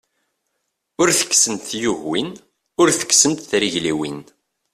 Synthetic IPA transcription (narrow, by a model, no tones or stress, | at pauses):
ʊɾθə̥kːsənt̪θjʊʝwin | ʊɾθə̥kːsənt̪θɾiʝliwḭn